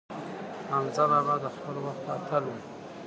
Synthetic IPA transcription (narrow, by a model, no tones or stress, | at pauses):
anzaɾabad̪əxpəlowaxt̪at̪ʰəlu